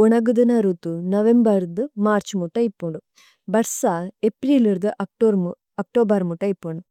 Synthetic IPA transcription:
ɔɳɐɡud̪ɐnaɾut̪unɐʋembɐɾd̪ɨmaːɾt͡ʃmuʈːɐipːuɳɖu | bɐɾsaepɾiːliɾd̪ɨʔɐoɾ | ɐk̚ʈoːbɐɾmuʈːɐipːoɳɖu

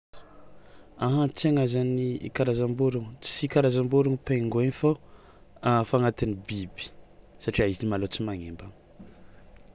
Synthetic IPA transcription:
aɦãt͡seŋazaniḭkaɾazambuɾuŋut͡si̥sikaɾazambuɾuŋupeŋɡuenfo | afaŋat̪inibibi̥ | saʈ͡ʂiaizinimalot͡simaŋembaŋ

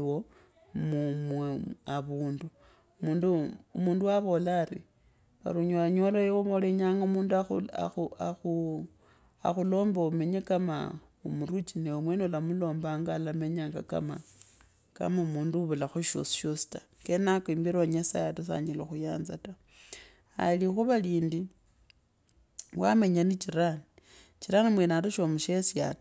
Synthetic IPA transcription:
wo | mumweaβuːndu | muːnduumuːnduwaβo̞laːɾi | βa̰ɾuɲoaɲolojewomoleɲaːŋɡaumuːnduaua̰uaxu | a̰xulo̞ːmbaume̞ɲekama̰ | umurut͡ʃineumwenolamulo̞ːmbaŋɡalameɲaːŋɡa̰ka̰ma̰ | ka̰mamuːnduβulaxuʃo̰si̥ʃosi̥tḁ | kenakoimbiɾoaɲasa̰jatus̬a̰ɲiloxujaːnzata | a̰lixuβaliːndi | wameɲanit͡ʃiɾani | t͡ʃiɾanimwenatuʃomuʃesja̰t

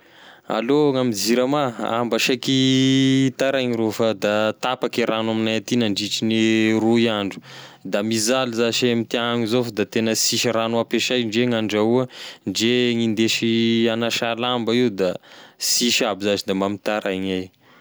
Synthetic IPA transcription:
a̰loŋamid͡ziɾamaa̰mbaʃaki | t̪aɾaɲiɾofad̪at̪apakiɾanaminajat̪inaɳɖ͡ʐiʈ͡ʂiniruiaɳɖ͡ʐu̥d̪amizalizaʃemit̪iaŋizofad̪at̪enəsiʃiranuapeʃajɳɖ͡ʐeŋaɳɖ͡ʐauəɳɖ͡ʐeŋind̪eʃianaʃalambaiwd̪asiʃabizazid̪amamit̪aɾajɲaj

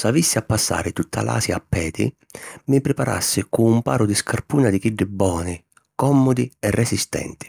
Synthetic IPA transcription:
savisːɪapːasːa̰ːɾɪt̪ut̪ʰːa̰la̰ːsjapːɛːd̪ɪ̰ | mɪpɾɪpaɾa̰sːɪkuumpaːɾʊd̪ɪskʰarpuːnad̪ɪkiɖːɪbːɔːnɪ | kɔmːʊd̪iɛrːʔɛsist̪ɛ̰nt̪ɪ̥

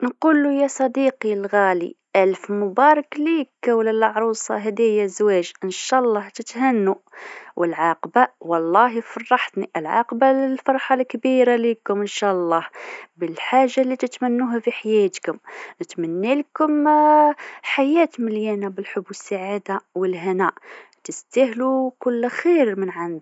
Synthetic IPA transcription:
nqulːujæsˤɑd̪iqilɣælḭʔælfmʊbɑɾˤɑklikːæwləlɑʕɾˤusˤɑ̰ɦæd̪æjæzwæʒʔənʃæʔlˤːɑht̪ət̪ɦænːuwʔəlʕɑqbawɑlˤːɑɦifɑrˤːɑħt̪niʔəlʕɑ̰qbaləlfɑɾˤħɑlkbiɾalikʊmənʃæʔɑlˤːɑhbəlħaʒːalːit̪ət̪mænːuɦæfiħajæt̪kʊmnət̪mænːælkʊm | ħajæt̪məljænabəlħʊbːwəsːaʕad̪awəlɦænæʔ | t̪əst̪æhlukʊlːxiɾmənʕand̪

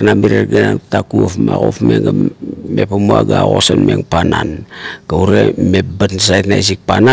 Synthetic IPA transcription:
namiɾeɾɡenantakuofmaɣofmeŋɡamepamuaɡaɣo̞sanmeŋpananɡ̥auɾemebatnsajtnais̬ik̚pana

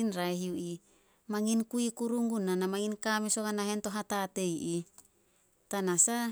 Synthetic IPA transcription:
inɾaeɦiuʔi | maŋinkuikuɾuŋɡunanamaŋinkamesokanaɦentoɦatatejʔi | tanasa

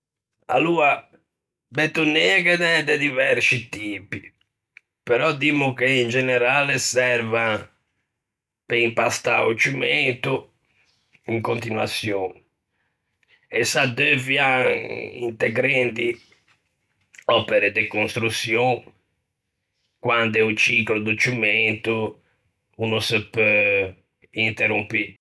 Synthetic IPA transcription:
a̰luːa | bɛt̪ːunːɛːakɛðɛd̪ɛd̪ivɛɾsit̪iːpi | pɛɾɔd̪imːukeind͡ʒɛnɛɾaːlɛsɛɾva | peimpast̪a̰ut͡ʃːument̪u | iŋkont̪inwa̰t̪sjɔn | ɛsad̪øvja | ḭnt̪ɛɡɾɛnd̪i | ɔpɛɾɛd̪ɛkonst̪ɾut̪sːjɔ̃ŋ | kwand̪ɛut͡ʃiklod̪ut͡ʃːumɛnt̪u | unusɛpø | int̪ɛrumpi

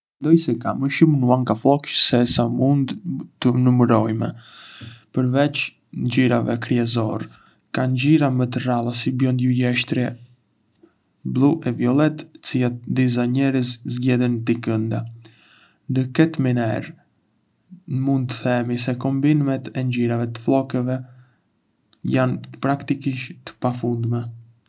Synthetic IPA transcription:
mɛnd̪ɔjsɛka̰məʃumnuaŋɡaflɔksɛsamund̪t̪ənuməɾɔjmɛ̰ | pəɾvɛt͡ʃ | ɲd͡ʑiɾavɛ̰kɾiɛzɔ̰ɾ | kand͡ʑiɾamət̪əralˠasibjɔnd̪jujɛʃt̪ɾjɛ | blˠuʔɛviɔlˠɛt̪t͡siat̪d̪is̬aɲɛɾəszɟɛðənət̪ikənd̪a | nd̪əkɛt̪minɛɾ | mund̪̚t̪ə̥θɛmis̬ɛkɔmbinmɛt̪ɛnd͡ʑiɾavɛt̪ə̥flˠɔkɛvɛ | janəpɾakt̪ikiʃt̪ə̥pafund̪mɛ

